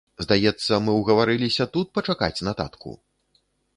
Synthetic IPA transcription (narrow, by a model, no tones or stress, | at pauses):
zd̪ajɛt̪sːɐmɨwɣɐvaɾɨlʲisʲɐt̪ut̪̚pɐt͡ʂaka̰t͡sʲnɐt̪a̰t̪kṵ